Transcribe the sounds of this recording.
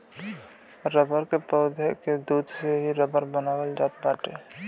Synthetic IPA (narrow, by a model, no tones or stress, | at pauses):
ɾəbəɾkepɔːd̪ʱeked̪uːd̪ʱseɦiɾəbəɾbənaːwəld͡ʒaːt̪̚baːʈeː